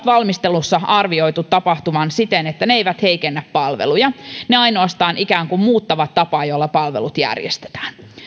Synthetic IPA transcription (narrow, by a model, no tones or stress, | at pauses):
t̪ʋɑlmist̪elusːɑʔɑrʋio̞jt̪ut̪ːɑpɑht̪umɑnsit̪enet̪ːæneejʋæt̪hejkenːæppɑlʋḛlujɑne̞ɑjno̞ɑst̪ɑːnʔikæːŋkummuːt̪ːɑʋɑt̪ːɑpɑːjolːɑpɑlʋḛlut̪jæ̰rjḛst̪e̥t̪æ̥ːn